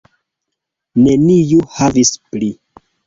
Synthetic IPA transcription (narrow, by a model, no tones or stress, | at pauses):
ne̞nijuhavispli